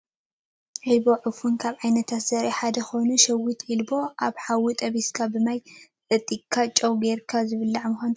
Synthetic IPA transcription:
ʕɨlbo̞ʕɨfunkʰaβʕajnɐt̪ʰat̪sɐɾiħad̪ɐxonuʃɐwit̪ʰilbo̞ʔaβħawut̪ʼɐβiskʰabɨmajt͡sʼɐt̪ʼːikʰːat͡ʃʼɐwbeɾkʰazɨβɨlːaʕmɨxʷan

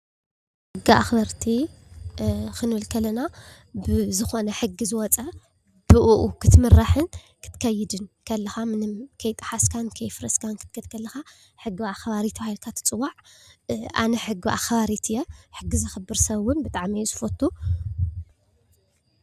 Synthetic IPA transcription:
ħɨɡia̰xbɐɾt̪ʰi | xɨnɨlkʰɐlːɐna | bɨzɨxonɐħɨɡizɨwɔt͡sʼɐ | b̥ɨʔuʔukʰɨt̪mɨrːaħɨn | kʰɨ̥t̪ʰkʰɐjɪd̪ɨnkʰɐlːɐxamɨnɨmkʰɐjt̪ʼɨ̥ħaskʰankʰɐjfɨɾɐskʰankʰɨ̥t̪kʰɐt̪kʰɐlːɐxa | ħɨɡːiaxβaɾit̪ʰbahilkʰat̪ʰɨ̥t͡sʼɨwaʕ | ʔa̰nɐħɨɡiʔa̰xβaɾit̪ʰɨjːoħɨɡːizɨxɨbːɨɾsɐβʊnbɨt̪ʼaʕmijzɨfot̪ʰːu

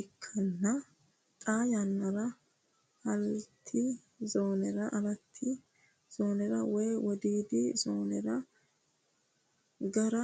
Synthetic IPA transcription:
ɪkʰːɐnːɐ | t̪ʼaːjɐnːɐɾɐ | hɐlt̪ʰːɪ | zoːnɛɾɐʔɐlɐt̪ʰːɪ | z̥oːnɛɾɐwɔjwɔd̪iːd̪ɪzoːnɛɾɐ | ɡɐɾɐ

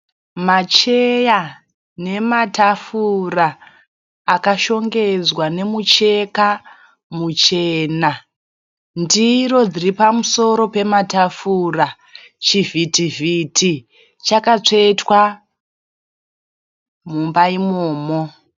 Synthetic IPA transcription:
mat͡ʃe̞ja | ne̞matafuraː | kaʃo̞ŋɡe̞d͡zwane̞mut͡ʃe̞ka | mut͡ʃe̞ːna | ndiro̞d͡ziripamuso̞ɾo̞pe̞matafura | t͡ʃivitivitʰi | t͡ʃakat͡ʂe̞twa | mumbaimoːmo

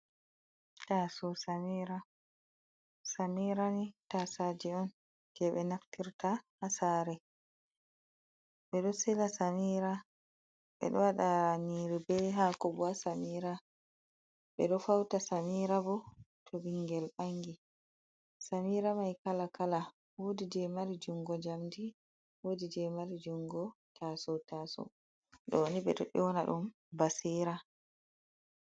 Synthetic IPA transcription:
tasɔsamiːɾa | samiɾanitasad͡ʒiɔn | kɛɓɛnaftiɾtahasaːɾɛ | ɓɛɗɔsɛlasamiːɾa | ɓɛ̰ɗɔwaɗaɾaɲiːɾibɛɦakɔbɔasamiɾa | ɓɛ̰ɗɔfawtasamiɾabɔtʰobiŋɡɛlɓaŋɡi | samiːɾamajkalakala | wodid͡ʒɛmaɾid͡ʒuŋɡɔd͡ʒamdi | woːdid͡ʒɛmaɾid͡ʒuŋɡɔtasɔtaːsɔ̰ | ɗɔwoniɓɛ̰ɗɔ̰ɗɛwɔnaɗṵm | basiɾa

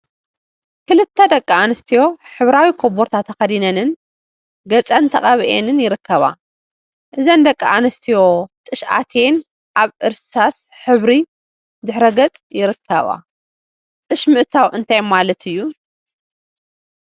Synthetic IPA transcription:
kʰɨlɨt̪ʰːɐd̪ɐkʼːɐanɨst̪ʰijo̞ħɨβɾawikʰoboɾt̪ʰat̪ʰːɐxɐd̪inɐnɨn | ɡɐt͡sʼɐnt̪ʰɐχʼɐβiʔenɨnjɪɾɨkʰːɐβa̰ | ʔɨzɐnd̪ɐkʼːɐanɐst̪ʰijo̞t̪ʼɨʃʔa̰t̪ʰe̞n | ʔaβɨɾsas | ħɨβɾi | d̪ɨħɾɐɡɐt͡sʼjɪɾɨkʰːɐ̰βa̰ | t̪ʼɨʃmɨʔt̪ʰawʔɨnt̪ʰajmalɐt̪ʰɨjːu

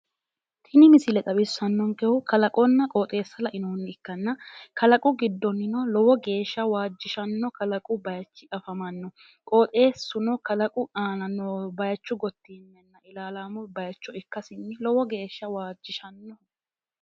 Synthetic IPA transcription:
t̪ʰɪnɪmɪsɪlɛt̪ʼɐbɪsːɐnːɔŋkɛʊkɐlɐkʼɔnːɐkʼɔːt̪ʼe̞ːsːɐlɐʔɪnoːnːɪɪkːɐnːɐkɐlɐkʼʊɡɪd̪ːɔnːɪnɔlɔwɔɡe̞ːʃːɐwaːd͡ʒːɪʃɐnːɔkɐlɐkʼʊbɐjɐt͡ʃːɪɐfɐmɐnːɔ | kʼoːt̪ʼe̞ːsːʊnɔkɐlɐkʼʊaːnɐnːɔbɐjɐt͡ʃːʊɡɔt̪ːiːnːɛnːɐʔɪlaːlaːmʊbɐjɐt͡ʃːɔɪkːɐsɪnːɪlɔwɔɡe̞ːʃːɐwaːd͡ʒːɪʃɐnːɔ

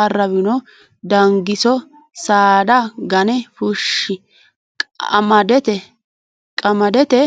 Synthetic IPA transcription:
ɐrːɐβɪnɔ | d̪ɐŋɡɪsɔ | saːd̪ɐɡɐnɛfʊʃːɪ | ɐmɐd̪ɛt̪ɛ | kʼɐmɐd̪ɛt̪ɛ

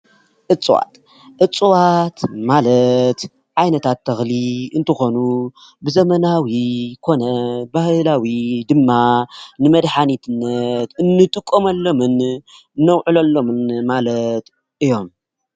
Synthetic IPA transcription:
ʔɨt͡sʼːɨwa̰t̪ | ʔɨt͡sʼuwat̪malɐt̪ | ʕajnɐt̪ʰat̪ʰːɐxliɨnt̪ʰɨxo̞nu | bɨzɐmɐnawikʰo̞nɐbahlawid̪ɨmːanɨmɐd̪ħanit̪ʰɨnːɐt̪ɨnːɨt̪ʼɨkʼːomɐlːo̞mɨn | nːɐwʕɨlɐlːo̞mɨnmalɐt̪ | ʔɨjːo̞m

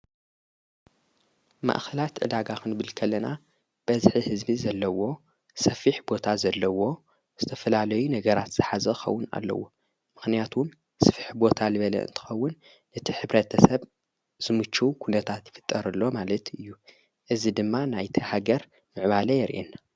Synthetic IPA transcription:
ma̰ʔxɐlat̪ʕɨ̰d̪aɡakɨnbɨlkʰɐlːɐna | b̥ɐzħihɨzbizɐlːɐwo̞ | sɐfiħbo̞t̪ʰazɐlːɐwo̞ | z̥ɨt̪ʰɐfɐlalɐjunɐɡɐɾat̪z̥ɨħazɐxɐ̰wːʊna̰lːɐ̰wo | mɨxnijat̪ʰum | sɨfiħbo̞t̪ʰalɨβɐlɐ̰ɨ̰nt̪ʰɨ̥xɐwːʊnː | ɨt̪ʰiħɨβɾɐt̪ʰɐsɐβ | z̥ɨmɨt͡ʃːuukʰunɐt̪ʰat̪jɪfɨ̥t̪ʼːɐɾɐlːo̞malɐt̪ʰɨjːu | ʔɨzid̪ɨmːanajt̪ʰihaɡɐɾ | mɨʕβalɐjɛɾʔenːa

